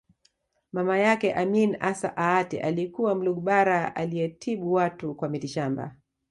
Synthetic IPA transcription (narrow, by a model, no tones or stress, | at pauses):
mamajakɛʔaminasa̰ʔaatḭʔalikuwam̩luɡuɓaɾaa̰liɛtʰiɓuwatukwamitiʃamba̰